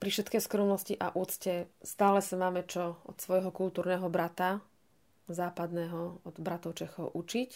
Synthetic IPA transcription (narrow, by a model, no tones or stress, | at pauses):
pɾifʃɛt̪kɛjskɾɔmnɔsciʔaʔuːt̪t͡scɛst̪aːlɛsamaːmɛt͡ʃɔɔt̪sʋɔjɦɔkult̪uːɾnɛːɦɔbɾat̪a | zaːpad̪nɛːɦɔɔd̪bɾat̪ɔʊt͡ʃɛxɔʊʔut͡ʃic